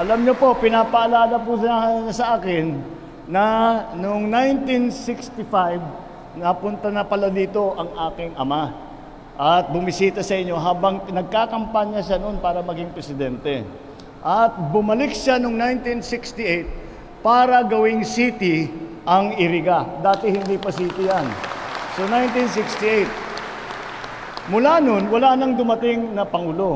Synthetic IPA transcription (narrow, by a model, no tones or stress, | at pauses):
ʔɐlɐmɲopo̞pɪnaːpɐʔɐlaːlɐpʊsaɲɐsɐʔaːkɪnː | ɐnʊŋnajnt̪insɪkst̪ɪfajb | nɐpʊnt̪ɐnɐpɐlad̪iːt̪o̞ʔɐŋʔaːkɪŋʔɐma | ʔɐt̪̚bʊmɪsiːt̪ɐsɐʔɪɲːo̞ɦaːbɐŋnɐɡ̚kakɐmpaɲɐʃanonpaːɾɐmɐɡɪŋpɾɛsɪd̪ɛnt̪ɛ | ʔɐt̪̚bʊmɐlɪkʃanoŋnajnt̪insɪkst̪ɪʔejt̪̚ | paːɾɐɡɐwɪŋsiːt̪ɪ | ʔɐŋɪɾɪɡad̪aːt̪ɪhɪnd̪ipɐsiːt̪ɪjansonajnt̪insɪkst̪iʔejt̪̚ | mʊlano̞nwɐlaːnɐŋd̪ʊmɐt̪ɪŋnɐpɐŋuːlo̞